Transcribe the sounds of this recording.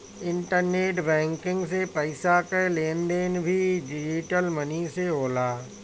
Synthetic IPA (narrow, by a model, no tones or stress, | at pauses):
ɪ̃ɳʈəɾneːʈbɛ̃ːŋkɪ̃ŋɡsepɐɪsakeleːnd̪eːnbʱiɖɪd͡ʒiʈəlməniseɦoːlaː